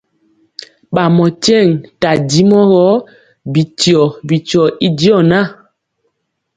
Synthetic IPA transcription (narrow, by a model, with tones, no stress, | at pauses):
ɓa˨mɔ˨t͡ʃɛ˦˨ŋta˨di˦mɔ˦ɣɔ˦ | bi˨ti˨ɔ˨bi˨t͡ʃɔ˨i˦di˦ɔ˦˨na˦˨